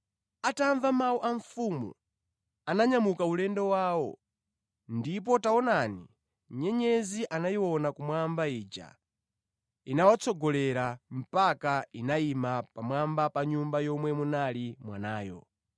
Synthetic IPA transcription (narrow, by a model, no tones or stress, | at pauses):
ataɱvamauʔaɱfumṵ | anaɲamukaulɛndɔwaːwɔ | ndip̬ɔtaɔnanḭ | ɲɛɲɛziʔanajiwɔnakumwambaiːt͡ʃa̰ | inawat͡sʰɔɡɔlɛɾam̩pakainaimapamwambapaɲumbajɔmwɛmunalimwa̰naːjɔ̰